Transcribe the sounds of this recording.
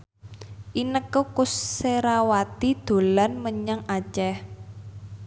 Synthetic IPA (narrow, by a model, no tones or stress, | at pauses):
ʔinəkokʊsːeɾawat̪id̪̥o̤lanməɲaŋat͡ʃɛh